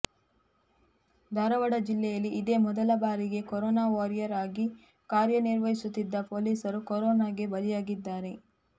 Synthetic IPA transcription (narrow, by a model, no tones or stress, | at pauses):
d̪ʱɐɾɐʋɐɽɐd͡ʒilːɛjɐlːiːd̪e̞ːmɔd̪ɐlɐbaːɾiɡe̞kɔɾɔːnaːʋaɾjɐɾaːɡi | kaːɾjɐniɾʋɐɦisut̪ːid̪ːɐpo̞ːliːsɐɾukɔɾɔːnaːɡe̞bɐlijaːɡid̪ːaːɾe̞